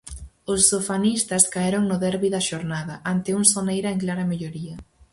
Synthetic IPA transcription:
ʊsːofanist̪ɐskaeɾoŋnʊðɛɾβiðɐʃoɾnaðɐʔant̪ɪuŋsonejɾɐeŋklaɾɐmeʎoɾiɐ

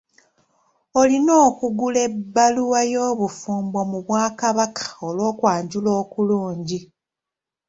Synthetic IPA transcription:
o̞lino̞ːkuɡule̞bːaluwajo̞ːβufuːmbomuβwaːkaβakḁolwo̞ːkwaːɲɟulo̞ːkuluːɲɟi

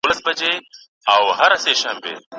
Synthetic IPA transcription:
lɐsbɐd͡ʑeː | awhɐɾɐseːʃaːmbḛː

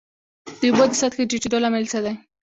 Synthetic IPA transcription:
d̪̥əubod̪əsat̪keʈiʈid̪olamelsad̪aj

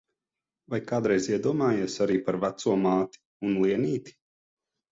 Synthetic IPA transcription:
vajkaːd̪ɾɛjziɛd̪uɔmaːjesaɾiːpaɾvæt̪suɔmaːt̪i̥ | unlˠiɛniːt̪i̥

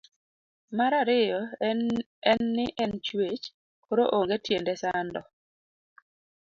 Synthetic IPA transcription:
maɾaɾɪjɔ | ɛnːɪʔɛnt͡ʃwet͡ʃ | koɾoʔoŋɡetjendesandɔ

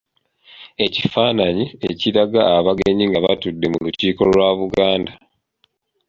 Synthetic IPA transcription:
e̞cifaːnaɲieciɾaɡaːβaɡeɲiŋɡaβatudːe̞muluciːko̞lwaβuɡaːnda

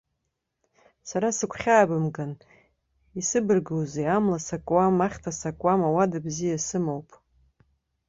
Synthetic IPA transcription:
saɾasɨkʷʰχʲaːbɨmɡan | isɨbɨrɡowzejamlasakʼwamaχʲtʰasakʷʼwamawadabzijasɨmowpʼ

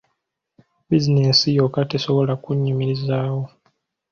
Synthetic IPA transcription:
bizinesijokate̞so̞βo̞lakuɲːimiɾizaːwo̞

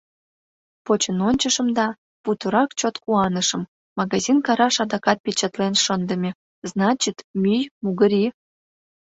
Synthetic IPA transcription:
pot͡ɕənonʲt͡ɕəʃəmd̪ɑ | put̪əɾɑkt͡ɕot̪kuɑnəʃə̆mː | ɑɣɑzʲinkɑɾɑʃɑd̪ɑkɑt̪̚pʲet͡ɕət̪lenʃənd̪əmʲe | znɑt͡ɕit̪mʲyjmuɣəɾʲi

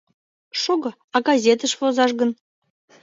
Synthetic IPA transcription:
ʃoɡɤ̆ | ɑɡɑzʲet̪əʃvozɑʃ̬ɡə̆n

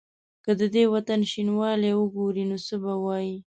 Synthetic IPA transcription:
kəd̪əd̪ewat̪anʃinwɑlewəɡoɾinosəbawɑji

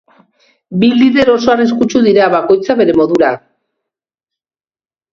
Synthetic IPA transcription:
biliðe̞ɾo̞so̞ariskut͡ʃuðiɾaβako̞jt͡saβe̞ɾe̞mo̞ðuɾa

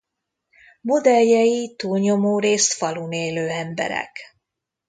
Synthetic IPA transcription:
mod̪ɛljɛjit̪uːlɲo̞moːɾeːst̪fɒluneːløːɛmbɛ̰ɾɛ̰k

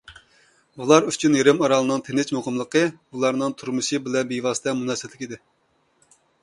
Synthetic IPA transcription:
ulˠɑɾyt͡ʃʰynjeɾɪmɑɾɑlˠɨnɨŋt̪ʰenɪt͡ʃmoʁəmlˠəqəulˠɑɾnɨŋt̪ʰuɾmɨʃɨbɪlɛnbijvɑːsɨt̪ɛmunɛsɪt̪lɪkʲid̪ɪ

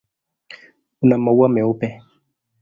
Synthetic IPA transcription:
unamawamɛopɛ

